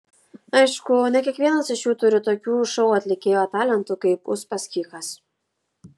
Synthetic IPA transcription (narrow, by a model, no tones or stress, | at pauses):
ɐɪʃkʊnʲɛkʲiɛkʋʲiɛnɐsɪʃjuːt̪ʊɾʲɪt̪oːkʲuːʃɔʊɐt̪ʲlʲɪkʲeːjoːt̪ɑːlʲɛnt̪ʊkɐɪpʊspɐsʲkʲiːkɐs